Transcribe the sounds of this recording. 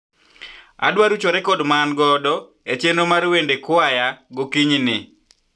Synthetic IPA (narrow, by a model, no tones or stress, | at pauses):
a̰dwaɾut͡ʃoɾɛkɔdmanɡɔdɔ | et͡ʃenomarwendekʊajaɡokiɲnɪ